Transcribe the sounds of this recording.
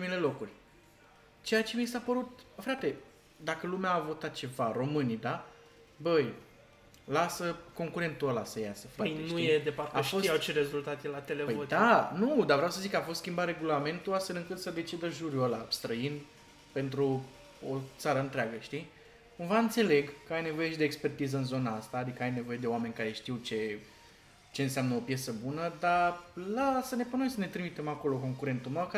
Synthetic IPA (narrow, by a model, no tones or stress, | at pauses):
mile̞lo̞kurʲ | t͡ʃe̞jat͡ʃe̞misapəɾut̪fɾat̪e̞ | d̪akəlumeaːvo̞t̪at̪̚t͡ʃe̞vaɾo̞mɨnid̪a | bəj | lasəko̞ŋkuɾe̞nt̪uəlasəjasefaənujed̪efaptaefʃosiawt͡ʃeɾe̞zult̪at̪jelat̪elepəjod̪anud̪avɾeawsəzikːafo̞st̪skʲimbat̪re̞ɡulame̞nt̪uast̪fe̞lɨŋkɨt̪səd̪e̞t͡ʃid̪əʒuɾjuolast̪ɾəin | pe̞nt̪ɾu | ot̪saɾəɨnt̪ɾeaɡəʃt̪i | kumvaɨnt̪se̞le̞ɡkəajne̞vo̞je̞ʃid̪eːkspe̞rt̪izəɨnzo̞naast̪aːd̪ikəajne̞vo̞je̞d̪eoame̞nʲkaɾe̞ʃt̪iwt͡ʃe̞ | t͡ʃe̞ɨnseamnəo̞pjesəbunəd̪alasəne̞punojsəne̞t̪ɾimit̪e̞mako̞lo̞ko̞ŋkuɾe̞nt̪umewk